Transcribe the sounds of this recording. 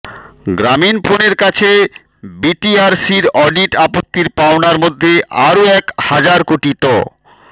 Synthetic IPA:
ɡɾaminpʰoneɾkat͡ɕʰe | biʈiaɾsiɾɔɖiʈapot̪ːiɾpaonaɾmod̪ʱːeʔaɾoɛkhad͡ʑaɾkoʈiʈɔ̰

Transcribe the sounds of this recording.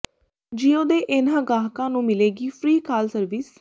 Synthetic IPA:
d͡ʒiːoːd̪eːʔɪnãːɡaːɦkãːnũːmɪleːɡiːpʰɾiːkʰaːlsəɾʋɪs

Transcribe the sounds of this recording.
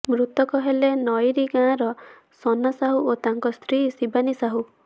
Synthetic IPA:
mɾut̪ɔkɔɦelenɔjɾiɡãːɾɔ | sɔnasaɦuot̪aŋkɔst̪ɾisibanisaɦu

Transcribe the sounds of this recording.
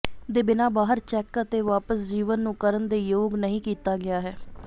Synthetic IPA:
d̪eːbɪnãːbaːɦəɾt͡ʃɛːkət̪eːʋaːpəsd͡ʒiːʋənːũːkəɾənd̪eːjoːɡnəɦĩːkiːt̪aːɡɪaːɦɛː

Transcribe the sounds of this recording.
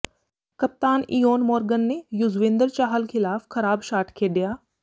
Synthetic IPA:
kəp̚t̪aːniːoːnmoːɾɡənːeːjʊzʋẽːnd̪əɾt͡ʃaːɦəlkʰɪlaːfkʰəɾaːbʃaːʈkʰeːɖɪjaː

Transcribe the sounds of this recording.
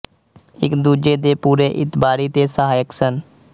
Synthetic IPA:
ɪkd̪uːd͡ʒed̪eːpuːɾeʔɪt̪baːɾiːt̪esəɦaːjəksən

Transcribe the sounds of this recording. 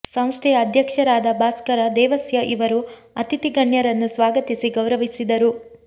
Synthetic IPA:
sɐ̃m̃st̪ʰɛjɐːd̪ʱjɐkʂɐɾaːd̪ɐbʱaːskɐɾɐd̪ɛːʋɐsjɐʔiʋɐɾu | ɐt̪it̪iɡɐɳjɐɾɐnːusʋaːɡɐt̪isiɡɐwɾɐʋisid̪ɐɾu

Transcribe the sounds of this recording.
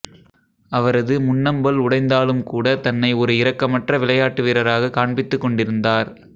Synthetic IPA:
ɐʋɐɾɐðɯmʊnːɐmbɐlʊɽɐɪnd̪aːlɯmkuːɽɐt̪ɐnːɐɪɔɾɯɪɾɐkːɐmɐʈrɐʋɪɭɐjaːʈːɯʋiːɾɐɾaːɣɐkaːɳbɪt̪ːɯkːɔɳɖɪɾɯnd̪aːɾ

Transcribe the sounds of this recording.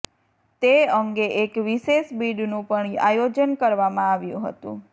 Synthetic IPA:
t̪eəŋɡeʔekʋiʃeʃbiɖnũpəɳa̰jod͡ʒənkəɾʋamãaʋjṵ̃ɦə̰t̪ṵ̃

